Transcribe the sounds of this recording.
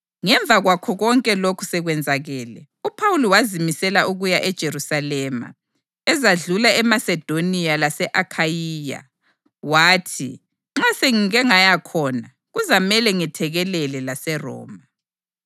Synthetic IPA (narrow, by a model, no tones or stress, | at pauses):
ŋɛɱb̪vʱaɣwakʰɔɣɔŋkʼɛlokʰu̥sɛɣwɛnd͡zʱaɣɛːlɛ | upʰawuliwazimisɛlaʔuɣujaʔɛd̥ʒ̥ʱerusalɛma̰ | ɛzaɮulaɛmasɛd̥ʱonijalasɛʔakʰajiːja̰ | waːtʰḭ | ŋ͡ǁaseŋiɣɛŋajakʰɔna | ɣuzamɛlɛŋɛtʰɛɣɛlɛlɛlasɛrɔ̰ːma